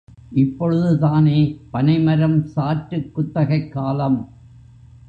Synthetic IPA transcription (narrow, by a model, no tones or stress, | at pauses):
ʔɪpːɔɻɯðɯt̪aːneːpɐnɐɪmɐɾɐmsaːʈɾɯkːʊt̪ːɐɣɐɪkːaːlɐm